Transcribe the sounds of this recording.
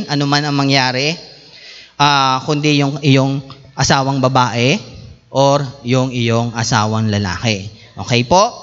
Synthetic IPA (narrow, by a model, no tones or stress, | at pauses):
nʔɐnomanɐŋmɐŋjaːɾɛ | ʔakʊnd̪ijʊŋʔɪjo̞ŋ | ʔɐsaːwɐŋbɐbaːʔɛ | ʔoɾjʊŋɪjoŋʔɐsaːwɐŋlɐla̰ːkɛ | ʔoːkɛjpo̞ʔ